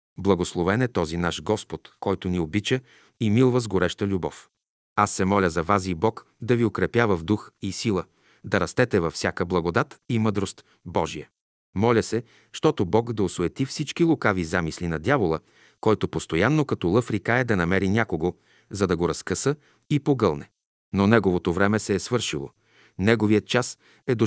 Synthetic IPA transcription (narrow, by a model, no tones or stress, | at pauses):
blˠɐɡoslˠovɛnɛt̪ɔzinaʃɡɔspot̪kɔjt̪oniobit͡ʃə | imilˠvəzɡoɾɛʃt̪əlʲubɔ̰f | asːɛmɔlʲəzɐvazibɔk | d̪ɐviokɾɛpjavəvd̪uxisilˠə | d̪ɐɾɐst̪ɛt̪ɛvɐfsʲakəblˠɐɡod̪at̪imɤd̪ɾost̪ | bɔʒijə | mɔlʲəsɛ | ʃt̪ɔt̪obɔkd̪ɐosoɛt̪ifsit͡ʃkilˠokavizamislinɐd̪ʲjavolˠə | kɔjt̪opost̪ojanːokɐt̪ɔlˠɤfɾikaɛd̪ɐnɐmɛɾinʲakoɡo | zɐd̪ɐɡoɾɐskəsə | ipoɡɤlˠnɛ | nonɛɡovot̪ovɾɛmɛsɛːsvɤɾʃilˠo̰ | nɛɡovijət̪̚t͡ʃas | ɛd̪o